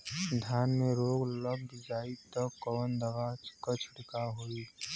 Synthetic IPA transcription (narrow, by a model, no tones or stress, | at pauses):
d̪ʱjaːnmeɾoːɡləb̚bɪd͡ʒaːit̪əkːɔːnd̪əʋaːt͡ʃkət͡ʃʰʊɽkaɦoi